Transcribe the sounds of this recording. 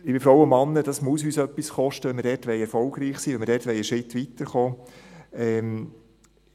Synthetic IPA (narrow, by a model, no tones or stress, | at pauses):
ɪbɪfɾɔwəmɑnːəd̥ɑsmusyːsœpːisχɔʃtəʋɛnmɪɾdɛtʋɛɪɛɾfɔlɡ̥ɾiːχsiːʋɛnmɪɾdɛːtʋɛjəʃɪtːʋit̪əɾχoː | ɛm